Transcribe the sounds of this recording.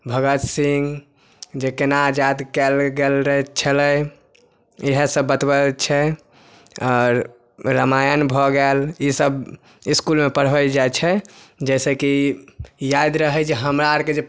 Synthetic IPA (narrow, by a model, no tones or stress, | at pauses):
bʱəɡət̪siŋɡ | d͡ʒekenaːd͡ʒad̪kɛlɡelɾəɦt͡ʃʰələj | iɦesəbːət̪bəlt͡ʃʰɛ | ɔːɾ | ɾəmajənbʱɔɡɛlisəb | iskulmepəɽ̤əld͡ʒajt͡ʃʰɛd͡ʒɛseki | jad̪ɾəɦəd͡ʒeɦəmɾaaɾked͡ʒe